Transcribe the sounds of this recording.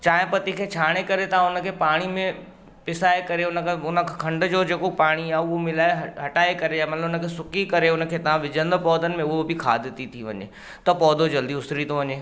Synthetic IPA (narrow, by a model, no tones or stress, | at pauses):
t͡ɕaːɦɪ̃pɐt̪ikʰet͡ʃʰaːɽ̃ekɐɾet̪ɐãʊnəkʰepaːɽ̃imẽ | pɪsaːekɐɾeʊnəkʰeʊnəkʰɐ̃ɳɖd͡ʑod͡ʑeːkopaːɽ̃iaːʊomɪlaːeɦɐʈaːekɐɾeaːmɐt̪ləbʊnəkʰesʊkikɐɾeʊnə̆kʰeːt̪ɐʋ̤ãʋɪd͡ʑə̃nd̪pɔːd̪ənɪ̆mẽʊɦobʱɪkʰa̰ːd̪ɪt̪it̪ʰiʋɐ̰ɲḛ | t̪ɐpɔːd̪od͡ʑɐld̪iʊsɾit̪oʋɐɲeː